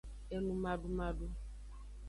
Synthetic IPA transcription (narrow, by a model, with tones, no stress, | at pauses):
e˦nũ˦ma˦ɖu˦ma˦du˦